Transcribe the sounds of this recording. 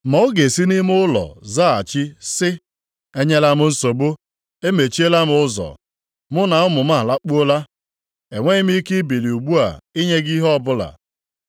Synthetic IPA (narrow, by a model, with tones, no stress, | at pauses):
mɔ˨ʊ˦ɡe˨si˦ni˦m˦ʊ˦lɔ̰˨za˦˨a˨t͡ʃɪ˦sɪ˦ | e˦ɲe˦la˦mʊ˦n̩˦so˨bʊ˦ | e˦me˨t͡ʃi˦e˦la˦mʊ˨˦ʊ˦zɔ̰˨ | mʊ˦na˨ʊ˦mʊ˨m̩˦a˦˨la˦k͡pu˦o˦la˦ | e˨ŋʷe˦ɪ˦m̩˦i˦ke˦bi˨li˨u˨ɡ͡bu˦a̰˨i˦ɲe˦ɡi˦ɦɔ˦˨bʊ˦la̰˨